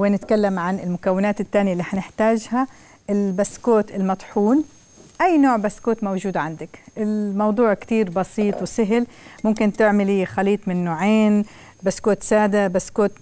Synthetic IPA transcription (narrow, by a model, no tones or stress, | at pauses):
wɪnɪt̪kalːamʕanɪlmʊkawːɪnaːt̪ɪt̪ːaːnjalːiːʔħanɪħt̪aːʒha | ʔɪlbaskoːt̪ɪlmɑt̪ˤħuːn | ʔajːnoːʕbaskoːt̪mawʒuːd̪ʕand̪akʔɪlmɑwd̪ˤuːʕkt̪iːɾbɑsiːt̪ˤwɪsɪɦlmʊmkɪnt̪ɪʕmɪlixaliːt̪ˤmɪnːoːʕeːn | baskoːt̪saːd̪abaskoːt̪